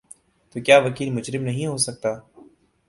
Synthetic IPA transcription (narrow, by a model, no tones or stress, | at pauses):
t̪oːkjaːʋəkiːlmʊd͡ʒɾɪmnəɦĩːɦoːsək̚t̪aː